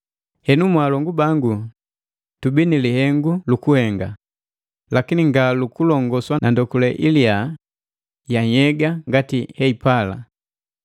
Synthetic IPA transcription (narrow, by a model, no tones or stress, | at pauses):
hɛnumwaːlɔŋɡubaŋɡu | tubinilihɛŋɡulukuhɛŋɡa̰ | lakiniŋɡalukulɔŋɡɔswanʔandɔkulɛʔilia | jaɲɛɡaŋɡatihɛipala̰